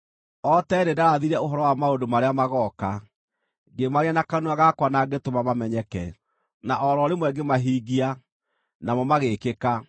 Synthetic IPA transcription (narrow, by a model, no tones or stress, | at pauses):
ɔtɛdedaɾaðiɾɛoɦɔɾɔwamaodomaɾeamaɣɔka | ɡemaɾianakanuaɣakwanaɡetomamamɛɲɛkɛ̰ | naʔɔɾɔɾemwɛɡemaɦiɣia | namɔmaɣekeka